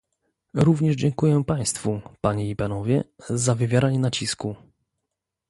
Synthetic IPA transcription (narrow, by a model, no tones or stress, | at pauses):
ɾuvɲɛʐd͡ʑɛŋkujɛpaj̃st̪fupaɲɛipanɔvʲjɛ̰zavɘvʲjaɾaɲɛnat͡ɕisku